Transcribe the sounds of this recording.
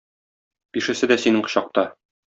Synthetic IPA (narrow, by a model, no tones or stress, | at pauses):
piʃɘ̆sɘd̪æsinɘɴqɤ̥̆ɕɑq̚t̪ɑ